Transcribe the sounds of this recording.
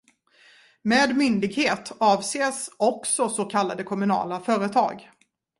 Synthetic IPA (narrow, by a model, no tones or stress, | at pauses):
meːd̪mʏnd̪ɪɡheːt̪ɑːvseːsɔksɔsoːkʰalːad̪əkʰɔmɵnɑ̰ːlafœːɾət̪ʰɑ̰ːɡ